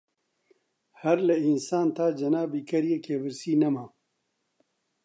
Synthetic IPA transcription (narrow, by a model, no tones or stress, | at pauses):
hɐɾlɐinsaːnt̪ʰaːd͡ʒɐnaːbiːkʰɐɾjeːkʰeːbɨɾsiːnɐmaː